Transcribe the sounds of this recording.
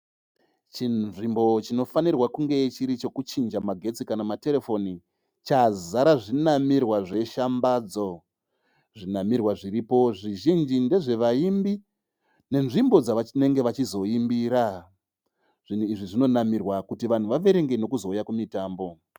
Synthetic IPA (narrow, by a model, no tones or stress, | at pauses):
t͡ʃinʐimbo̞t͡ʃino̞fanirwakuŋɡe̞t͡ʃiɾit͡ʃo̞kut͡ʃind͡ʒamaɡʱe̞t͡sikanamate̞ɾefo̞ni | t͡ʃazaɾaʐinamirwaʐe̞ʃambaːd͡zo̞ | ʐinamirwaʐiriːpo̞ʐiʒind͡ʒinde̞ʐe̞ʋaimbi | ne̞nʐimbo̞d͡zaʋane̞ŋɡe̞ʋat͡ʃizo̞imbiːɾa | ʐ̥in̤uiʐiʐino̞namirwakutiʋan̤uʋaʋe̞ɾe̞ŋɡeno̞kuzo̞ujakumitaːmbo̞